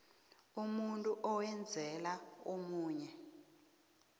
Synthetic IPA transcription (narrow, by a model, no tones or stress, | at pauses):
umuntʼuʔɔwɛnd͡zʱɛlaomuːɲɛ